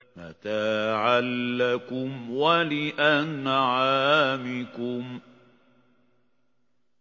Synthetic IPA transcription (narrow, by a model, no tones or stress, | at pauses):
ma̰t̪aːʕalːakʊmwalɪʔanːaʕaːmɪkʊm